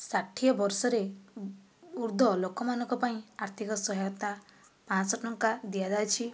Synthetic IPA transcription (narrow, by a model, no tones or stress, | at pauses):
saʈʰijɔbɔɾsɔɾe | uɾd̪ʱɔlokɔmanɔ̃ŋkɔpaĩaɾt̪ʰikɔsɔɦjt̪a | pãsɔʈɔŋkad̪ijad͡ʒajt͡ʃʰi